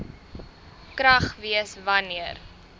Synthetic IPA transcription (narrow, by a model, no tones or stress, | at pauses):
kɾɐχviəsvɐniər